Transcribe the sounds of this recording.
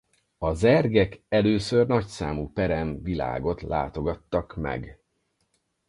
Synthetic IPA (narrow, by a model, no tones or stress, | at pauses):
ɒzɛrɡɛkɛløːsørnɒcsaːmupɛɾɛnvila̰ːɡo̞t̪la̰ːt̪o̞ɡɒt̪ːɒkmɛ̰ɡ